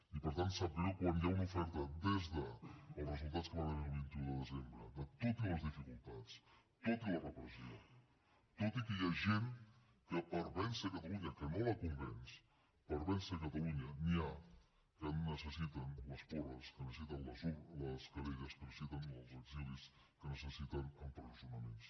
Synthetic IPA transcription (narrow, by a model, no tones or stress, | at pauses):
ipəɾt̪ant̪səpiokwanjaunufɛɾt̪əd̪ezðəːlˠrəzulˠt̪att͡skəβanəniəlˠβint̪uðəðəzembɾəd̪ət̪ot̪iləzðifikulˠt̪at͡s | t̪ot̪ilərəpɾəzio | t̪ot̪ikəjaʒen | kəpəɾβɛnsəkət̪aluɲəkənoləkumbɛns | pəɾβɛnsəkət̪aluɲənia | kənnːəsəsit̪ənləspoɾəskənəssit̪ənləzuləskəɾeɣəskənəsit̪ənəlˠzəɡzilis | kənəsəsit̪ənumpɾuzunəmens